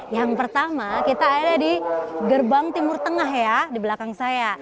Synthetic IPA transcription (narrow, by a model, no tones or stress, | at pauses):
jaŋpərt̪amakit̪aːiradiɡərbaŋt̪imʊrt̪əŋaɦjadiblakaŋsaja